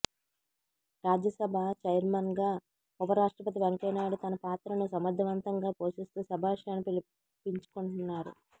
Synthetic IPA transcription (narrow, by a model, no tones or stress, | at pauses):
ɾaːd͡ʒjɐsɐbʱat͡ʃɐjɾmɐnɡaː | ubɐɾaːʂʈɾɐpɐt̪̬iʋeŋkɐːnaːɽut̪ɐnɐpaːt̪ɾɐnusɐmɐd̪ʱːɐʋɐnt̪ɐŋɡaːpo̞ːʃist̪uːsɐbʱaːiʂɐjnɐpili | piɲt͡ʃu̥kuɳunːaːɾṵ